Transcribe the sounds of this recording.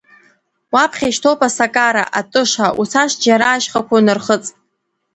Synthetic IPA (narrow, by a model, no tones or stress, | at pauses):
wapʰχʲaʃtʰowpʼasakʼaɾa̰ʔatʼɨʂaut͡sʰaʂd͡ʒaɾaːʃχakʷʰanɨrχət͡sʼ